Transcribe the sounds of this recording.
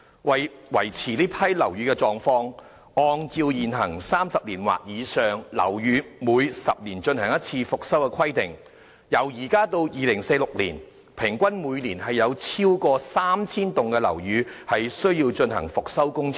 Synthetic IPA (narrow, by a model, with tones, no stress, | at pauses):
wɐ˨jwɐ˨˩jt͡sʰiː˨˩liː˥pʰɐ˥jlɐ˨˩wjyː˨˧˥kɛ˧t͡sɔː˨ŋfɔː˧ŋ | ɔː˧ŋt͡siː˧wjiː˨˩nɦɐ˨˩ŋsaː˥msɐ˨p̚liː˨˩nwa̰ː˨t̚jiː˨˧sœː˨˩ŋlɐ̰˨˩wjyː˨˧muː˨˧jsɐ˨p̚liː˨˩nt͡ʃɵ˧nhɐ˨˩ŋjɐ˥t̚t͡sʰiː˧fʊ˨k̚sɐ˥wkɛ˧kʰɐ˥jt̪ɪ˨ŋ | jɐ˨˩wjiː˨˩kaː˥t̪o˧wjiː˨lɪ˨˩ŋse˧jlʊ˨k̚lḭː˨˩n | pʰɪ˨˩ŋkʷɐ˥nmuː˨˧jliː˨˩nɦɐ˨jːɐ˨˧wt͡sʰiː˥wkɔː˧saː˥mt͡sʰiː˥nt̪ʊ˨ŋkɛ˧lɐ̰˨˩wjyː˨˧hɐ˨jsɵ˥ɥjiː˧wt͡ʃɵ˧nhɐ̰˨˩ŋfʊ˨k̚sɐ˥wkʊ˥ŋt͡sʰ